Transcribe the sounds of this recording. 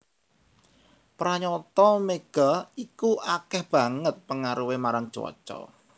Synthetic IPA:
pɾaɲɔt̪ɔmeɡ̥aikuʔakɛhb̥ä̤ŋət̪̚pəŋaɾuwemaɾaŋ̥t͡ʃɔ̰t͡ʃɔ̰

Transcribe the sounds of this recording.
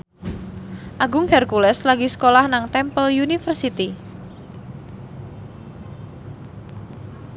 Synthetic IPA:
ʔaɡʊŋhɛrkulɛslaɡiskolahnaŋt̪ɛmpəljunifərsit̪i

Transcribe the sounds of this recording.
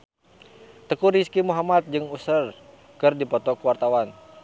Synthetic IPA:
t̪əkuɾiskimuɦamat̪̚d͡ʒɨŋusər | kɨrdipɔt̪ɔkəwart̪awan

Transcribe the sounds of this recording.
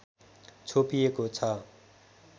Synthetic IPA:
t͡sʰopijekot͡sʰʌ

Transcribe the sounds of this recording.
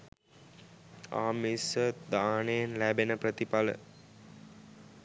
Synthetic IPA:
a̰ːmisəd̪aːnejenlæbenəprət̪ipalə̰

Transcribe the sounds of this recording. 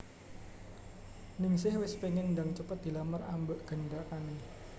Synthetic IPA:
nɪŋsɪhwɪspeŋɪnndaŋt͡ʃəpət̪̚d̥̪i̤laməra̰mbəʔɡ̥ə̤ndakanɪ

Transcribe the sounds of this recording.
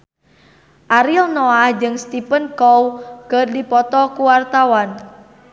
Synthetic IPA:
ʔaɾilnoahd͡ʒɨŋst̪ipənkowkərdipɔt̪ɔkuwart̪awan

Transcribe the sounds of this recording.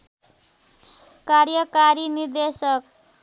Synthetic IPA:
karjʌkaɾinird̪esʌk̚

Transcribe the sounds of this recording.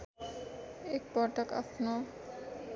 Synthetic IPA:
ɛk̚pɔɾʈaka̰pno

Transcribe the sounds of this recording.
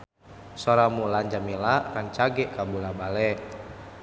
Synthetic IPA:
soɾamulaɲd͡ʒamilarant͡ʃaɡɛʔkabulabalɛʔ

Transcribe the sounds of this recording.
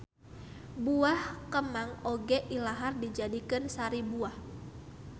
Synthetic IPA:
buahkəmaŋoɡɛʔilaɦardid͡ʒadikɨnsaɾibuah

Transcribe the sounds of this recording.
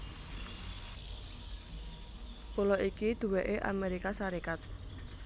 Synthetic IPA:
pulɔʔikid̪̥ṳweʔeʔa̰meɾikasaɾikat̪̚

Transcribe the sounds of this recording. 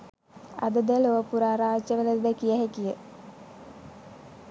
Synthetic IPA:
a̰d̪əd̪əloʋəpuɾaːɾaːt͡ʃːəʋeləsd̪əkijəɦekijə

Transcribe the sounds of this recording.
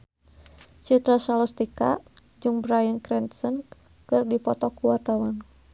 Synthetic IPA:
t͡ʃut̪ɾasalɔst̪ika̰ | d͡ʒɨŋbɾajənkɾɛnt̪sən | kɨrdipɔt̪ɔkuwart̪awan

